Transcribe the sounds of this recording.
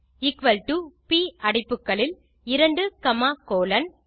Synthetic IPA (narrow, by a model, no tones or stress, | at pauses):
ɪkʋɐlʈupiːʔɐɽɐɪpːɯkːɐɭɪl | ɪɾɐɳɖɯkɐmaːkoːlɐn